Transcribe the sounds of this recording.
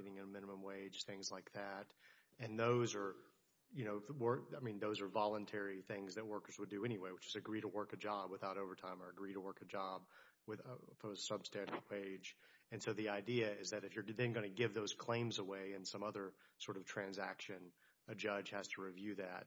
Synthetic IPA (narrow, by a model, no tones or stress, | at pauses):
ɾɪ̃ŋɨ̃nəmɪ̃nəmə̃mweɪ̥ʒ̥θɪ̃ŋzlaɪk̚ðæt | ɨ̃nðoʊzə˞ | jɨñoʊwɜ˞aɪmĩnðoʊzə˞vɑlˠə̃ntʰɛɹiθɪ̃ŋzðɨt̚wɜ˞kə˞zwədɨɛñiweɪwɨt͡ʃɨzɨɡɹiɾəwɜ˞kɨd͡ʒɑbwəθaʊɾoʊvə˞tʰãɪ̃mə˞ɨɡɹiɾəwɜ˞kɨd͡ʒɑb̚ | wɨðfə˞sʌb̥stæ̃ndɨd̚weɪd͡ʒɨ̃nsoʊðiaɪdiɨɪzðɨɾɨfjə˞ðɨ̃nɡʌnɨɡɪvðoʊz̥kʰl̥ẽɪ̃mzəweɪɨ̃nsʌ̃mʌðə˞sɔɹɾʌv̥tʰɹ̥æ̃nzæ̰kʃɨ̃n | ɨd͡ʒʌ̥ʒ̥hæz̥tʰəɹivjʉðæ̰t̚